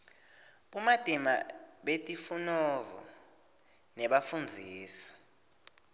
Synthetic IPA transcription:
ɓumad̥ʱʼima̰ɓetʼifunɔvɔ̰ | nɛɓafund͡zʱiːsi̥

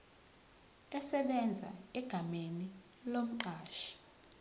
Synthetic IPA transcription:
ɛsɛɓɛnd͡zʱa̰ɛɡ̥ʱameni | lom̩ǃaːʃi̥

